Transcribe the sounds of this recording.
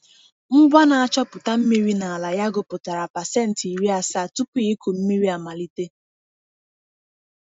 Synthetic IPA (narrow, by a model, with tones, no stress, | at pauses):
m̩˦ɡʷa˦na˨a˨t͡ʃɔ˦pʊ˨ta˦m̩˦mi˦ɾi˦na˨a˨la˨ja˦ɡʊ˨pʊ˨ta˨ɾa˨pa˨se˦˨n̩˨ti˨ɾi˦a˨sa˦˨tu˦pi˦i˦ku˨m̩˦mi˦ɾi˦a˨ma˨li˦te˦